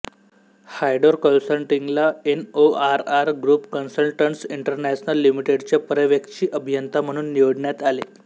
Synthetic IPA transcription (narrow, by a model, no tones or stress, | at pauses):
hajɖoɾkənsəlʈiŋɡlaenoaɾaɾɡɾuːpkənsəlʈʈəɳʈsiɳʈəɾnæt͡ɕnəlːimiʈeɽt͡ɕjapəɾəʋjəkt͡ɕiːʔəbʱijənt̪am̤əɽ̃uːnːiʋoɽɳjat̪ale